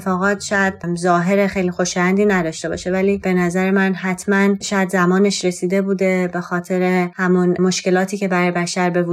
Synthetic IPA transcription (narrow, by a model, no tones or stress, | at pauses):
fɒːɣɒːt̪ʃɒjæd̪̥̚zɒːɦe̞ɾexejlixoʃjænd̪iːnæd̪ɒːʃt̪e̞bɒ̰ːʃe̞væliːb̥e̞næzæɾemænɦæt̪ʰmænʃɒjæd̪zæmɒːne̞ʃɾe̞siːd̪e̞buːd̪e̞be̞xɒːt̪ʰe̞ɾe̞hæmunmo̞ʃce̞lɒːt̪ʰiːce̞bæɾɒːjebæʃæɾbe̞vu